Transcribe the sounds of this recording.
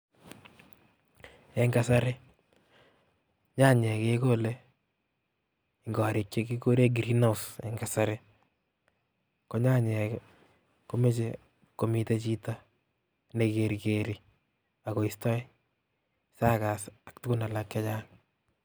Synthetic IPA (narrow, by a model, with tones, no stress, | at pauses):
ɛ˨ŋɡa˦sa˦ɾe˦ | ɲa˦ɲɛ˨ke˦ko˦le˦ | ɪŋɡɔ˨ɾi˨kt͡ʃe˦ki˦ko˦ɾe˦ɡi˨ɾi˦no˦˨sɛ̰ŋɡa˨saɾe˦ | ko˦ɲa˦ɲɛ˨k | ko˦me˦t͡ʃe˨ | ko˨mi˦te˦t͡ʃi˦ta˦ | ne˨ke˨ɾike˨ɾi˦ | a˨ko˨istɔ˦j | sa˦ka˨sa˨k̚tʊ˦kʊ˦na˨la˨kːɛ˦t͡ʃa˦ŋ